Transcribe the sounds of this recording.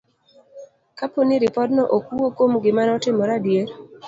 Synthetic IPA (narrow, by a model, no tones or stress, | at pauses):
kaponiɾɪpɔdnɔʔokuokwomɡɪmanɔtɪmɔɾadjeɾ